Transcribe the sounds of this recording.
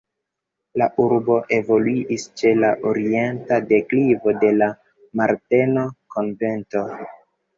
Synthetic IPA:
laʔuɾbo̞ʔe̞vo̞luiʔist͡ʃe̞laʔoɾie̞ntade̞klivo̞de̞la | maɾte̞no̞kʰo̞nve̞nto̞

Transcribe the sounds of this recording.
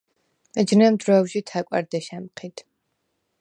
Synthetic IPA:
ɛd͡ʒnɛmd̪ɾɔːwʃit̪ʰakʼwa̰ɾd̪ɛʃɛmqʰit̪ʰ

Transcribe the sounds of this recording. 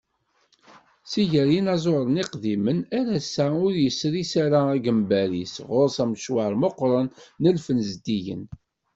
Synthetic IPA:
siʝəɾjinɑzˤoɾˤəniqðimənæɾæsæʊɾjəsɾisaɾaæɡəmbæɾisʁʊɾsæmʃwəɾˤmoqɾˤɑnːəlfənzd̪iʝə̰n

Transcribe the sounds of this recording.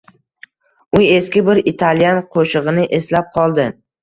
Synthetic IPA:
ʊe̞skʲɪbɪɾɪt̪ʰalijanqʰoʃɨʁɨnɪʔe̞slap̚qʰɒlˠd̪ɪ

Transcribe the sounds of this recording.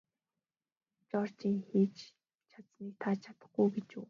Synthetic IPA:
t͡ɕɔr̥t͡ɕiːŋxiːt͡ɕ | t͡ɕʰat͡s̪niːk̚t̪ʰat͡ɕʰḁt̪ə̆χɡujɡet͡ɕṵː

